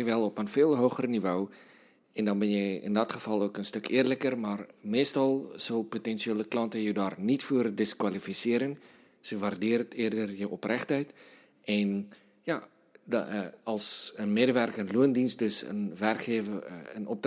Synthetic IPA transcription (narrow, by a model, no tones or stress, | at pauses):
əʋɛlˠɔpənfɪːlˠɦoːχərnivoː | ɛndɑnbɛnjəɪ̰ndɔtχəfɑlˠoːkənstɵkʰɪərləkərmarmeːstɑlˠsolˠpotɛnʃieːləklɑntəjəwdɑːrnitfuərdɪskwalifisɪəɾən | səʋardɪəɾəteərdərjəʔɔprɛχtœɥt | ɛn | ja | ɑlˠsənmeːdəʋɛrkənluəndinst̚dɵsə̰nʋɛrkχeːvəənɔp̚d